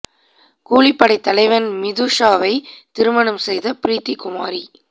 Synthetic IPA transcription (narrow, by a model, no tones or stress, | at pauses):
kuːlipːɐɽɐɪt̪ːɐlɐɪʋɐnmɪðuːʂaːʋɐɪt̪ɪɾɯmɐɳɯmsɛjðɐpɪɾiːt̪ːikʊmaːɾi